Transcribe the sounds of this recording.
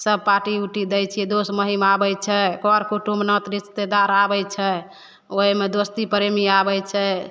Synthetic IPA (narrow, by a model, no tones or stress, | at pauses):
səb̚paʈiuʈid̪ɛjt͡ʃʰiɛd̪osməɦimabɛjt͡ʃʰɛkɔɾkuʈumnət̪ɾist̪ed̪aɾabɛjt͡ʃʰɛ | oɦimed̪ost̪ipɾemiabɛjt͡ʃʰɛ